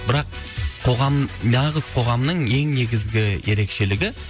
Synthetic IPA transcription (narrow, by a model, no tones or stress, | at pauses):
bɪɾɑqʰ | o̞ʁɑmnɑʁəz̥qʰo̞ʁɑmnəɴe̞ŋne̞ɡʲɪzɡʲɪje̞ɾe̞kʃe̞lɪɡʲɪ